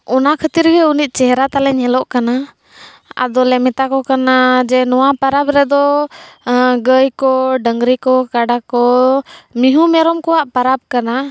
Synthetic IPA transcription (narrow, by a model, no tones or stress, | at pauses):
ɔnakʰət̪iɾɡɛunit̪̚ˀt͡ʃɛɦɛɾat̪alɛɲɛlɔʔkana | a̰d̪ɔlɛmɛt̪akɔkanad͡ʒɛnɔwapaɾabɾɛd̪ɔ | ɡəjkɔɖəŋɡɾikɔkaɖakɔ | miɦumɛɾɔmkɔwaʔpaɾab̚kana